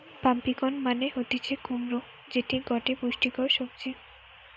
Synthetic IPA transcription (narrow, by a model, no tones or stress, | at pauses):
pampikonmaneɦot̪it͡ɕʰekumɾo | d͡ʑeʈiɡɔʈepuʃʈikɔɾʃobd͡ʑi